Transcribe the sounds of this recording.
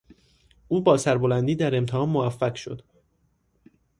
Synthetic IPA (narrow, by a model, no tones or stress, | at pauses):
ʔuːbɒːsæɾbolænd̪iːd̪æɾe̞mt̪ʰehɒːnmovæfːækʃo̞̰d̪̥